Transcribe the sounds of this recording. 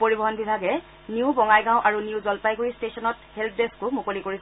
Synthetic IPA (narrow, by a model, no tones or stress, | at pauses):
poɹibɔɦɔnbibʱaɡɛ | niubɔŋajɡãʊ̃ʔaɹuniʊzɔlpajɡuɹistesɔnɔthelp̚ʰdeskʊmukolikoɹis